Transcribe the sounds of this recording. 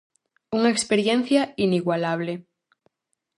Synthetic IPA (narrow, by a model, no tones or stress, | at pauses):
uŋaekspeɾjen̟θjainiɣwalaβ̞le